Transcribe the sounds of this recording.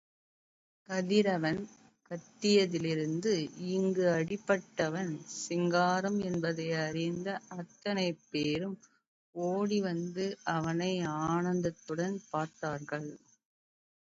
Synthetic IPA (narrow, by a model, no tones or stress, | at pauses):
kɐðɪɾɐʋɐn | kɐt̪ːɪjɐðɪlɪɾɯnd̪ɯɪŋɡɯɐɽɪpːɐʈːɐʋɐnsɪŋɡaːɾɐmɛnbɐðɐɪɐɾɪnd̪ɐɐt̪ːɐnɐɪpːeːɾɯm | oːɽiʋɐnd̪ɯʔɐʋɐnɐɪaːɳɐnd̪ɐt̪ːɯɽɐnpaːɾt̪aːɾɣɐɭ